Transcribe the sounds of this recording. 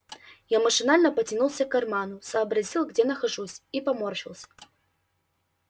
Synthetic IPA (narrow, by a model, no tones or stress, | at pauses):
jamɐʂɨnalʲnɐpɐt͡sʲinulˠsʲɐkarmanusɐːbɾazʲilˠɣd͡zʲɛnɐxaʐusʲipamɔrʃilw̪ˠsʲɐ̥